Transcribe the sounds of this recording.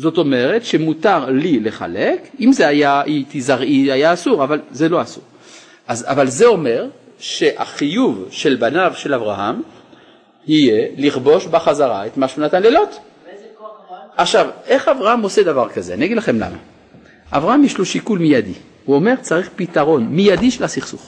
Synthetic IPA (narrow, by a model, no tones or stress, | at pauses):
zo̞t̪o̞me̞ʁe̞tʃe̞mutaʁlile̞χa̰le̞kimzeajait̪izaʁiajaːsuʁavalzelo̞asuʁ | ʔaza̰valze̞o̞me̞ʁ | ʃe̞ʔa̰χijuvʃe̞lbanavʃe̞lavʁaɦam | hije̞liχbo̞ʃbaχazaʁaet̪maʃunat̪anlelo̞t̪ | aχʃavʔe̞χavʁahamose̞d̪avaʁkazeaniaɡidlaχemla̰ma̰ | ʔavʁahamjiʃloʃikulmijad̪i | huo̞me̞ʁt͡saʁiχpit̪aʁo̞nmijad̪iʃelasiχsuχ